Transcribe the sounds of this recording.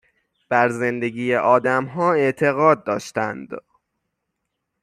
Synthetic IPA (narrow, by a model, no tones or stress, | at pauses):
b̥æɾze̞nd̪e̞ɟiːjeʔɒːd̪æmɦɒːe̞ʔt̪ʰe̞ɣɒːd̪̚ːɒ̰ːʃt̪ænd̪